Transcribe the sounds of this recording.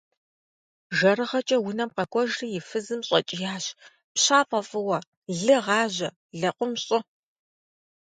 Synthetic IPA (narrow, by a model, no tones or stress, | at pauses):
ʒɐɾɨʁɐt͡ʃʼɐwʊnɐmqɐkʷʰʼɔʒrɨjɪfɨzɨmɕʼɐt͡ʃʼɪjaːɕ | pɕaːpʼɐfʼɨwɐ | ɮɨʁɑːʑɐ | ɮɐqʷʊmɕʼɪ